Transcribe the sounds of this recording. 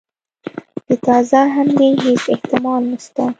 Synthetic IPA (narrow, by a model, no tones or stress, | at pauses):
d̪̥ət̪ɑzaɦamd̪eɦesɪht̪ɪmɑlnəʃt̪a